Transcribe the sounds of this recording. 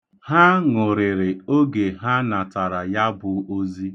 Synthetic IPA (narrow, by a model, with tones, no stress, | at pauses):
ha˦ŋʊ˨ɾɪ˨ɾɪ˨o˦ɡe˨ɦa˦na˨ta˨ɾa˨ja˦bʊ˨o˦zi˦